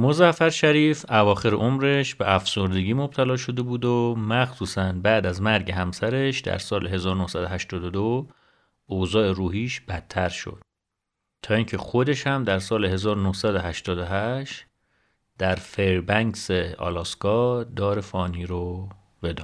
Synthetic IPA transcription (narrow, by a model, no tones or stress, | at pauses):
mozæfæɾʃæɾiːfævɒːxe̞ɾeʔomɾe̞ʃbeʔæfsoɾd̪e̞ɟiːmob̥̚t̪ʰælɒːʃo̞d̪e̞buːd̪omæxsuːsænbæːd̪æzmæɾɟe̞ɦæmsæɾeʃd̪æ̰ɾsɒːleɦe̞zɒːɾonohsæd̪oɦæʃt̪ɒːd̪od̪o | ozɒːe̞ɾuːɦiːʃb̥æt̪ʰːæɾʃo̰d̪̥ | t̪ʰɒːiːŋcʰe̞xo̞d̪e̞ʃhæmd̪æɾsɒːleɦe̞zɒːɾonohsæd̪oɦæʃt̪ɒːd̪oɦæʃt̪ | d̪̥æɾfeɾbæŋkseɒ̰lɒːskɒːd̪ɒːɾe̞fɒːniːɾo | b̥e̞d̪ɒːn